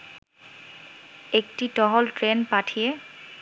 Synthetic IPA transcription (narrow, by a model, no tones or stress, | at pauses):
ek̚titɔɦɔltɹenpatʰijɛ